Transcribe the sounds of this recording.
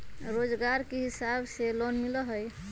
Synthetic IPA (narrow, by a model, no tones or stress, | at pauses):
ɾod͡ʒɡaɾkeɦisabselonmiləɦəj